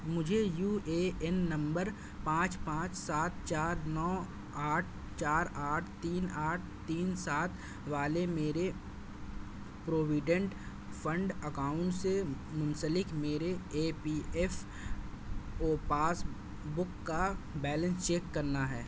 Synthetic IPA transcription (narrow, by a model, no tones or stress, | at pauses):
mʊd͡ʒʱejuːeːɛnːɐ̃mbəɾ | pãːt͡ʃpãːt͡ʃsaːt̪̚t͡ʃaːɾnɔː | aːʈʰ | t͡ʃaːɾaːʈʰt̪iːnaːʈ̚ʰt̪iːnsaːt̪ʰ | ʋaːlemeːɾe | pɾoːʋɪɖə̃ɳʈ | pʰə̃ɳɖəkaːʊ̃ɳʈsemʊnsəlɪkmeːɾeeːpiːɛf | oːpaːs | bʊkːabɛːlə̃nst͡ʃeːkːɐɾnaɦɛː